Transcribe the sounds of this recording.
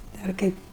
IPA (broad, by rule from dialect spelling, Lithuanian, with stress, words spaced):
ˈdɐr ˈkɐɪp